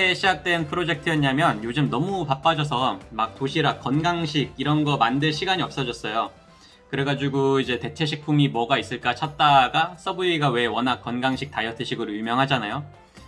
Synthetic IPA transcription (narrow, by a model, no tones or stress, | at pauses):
eɕʰid͡ʑak̚t͈we̞npʰɯɾod͡ʑe̞k̚tʰɯjʌɲamjʌnjod͡ʑɯmnʌmupap͈ad͡ʑʌs̬ʰʌmak̚t͈oɕʰiɾak̚k͈ʌnɡaŋɕʰiɡiɾʌnɡʌmandɯɭɕʰiɡaɲiʌp̚s͈ʌd͡ʑʌs͈ʌjo | kɯɾe̞ɡad͡ʑiɡuid͡ʑe̞te̞t͡ɕʰe̞ɕʰik̚pʰumimwʌɡais͈ɯɭk͈at͡ɕʰat̚t͈aɡas͈ʌbɯiɡawe̞wʌnak͈ːʌnɡaŋɕʰik̚t͈ajʌtʰɯɕʰiɡɯɾojumjʌŋɦad͡ʑanajo